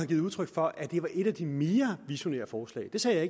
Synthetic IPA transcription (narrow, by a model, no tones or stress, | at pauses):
ɑɡiðˠuð̞ˠt͡sʰʁœɡ̥fɒ̽ʔæd̥e̝ʋɑ̈ʔe̝ɾ̥æd̥ime̝ːɐʋiɕo̝ne̝̰ːɐfɒːslɛ̰ːd̥e̝sɛ̰ːjɑ̈ɪe